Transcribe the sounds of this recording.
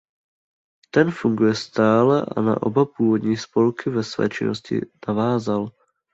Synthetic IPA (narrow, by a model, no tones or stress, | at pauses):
t̪ɛnfuŋɡujɛst̪aːlɛʔa̰na̰ʔo̰bapuːvod̪ɲiːspo̞lkʰɪvɛsvɛ̰ːt͡ʃɪnoscɪ̰navaːzal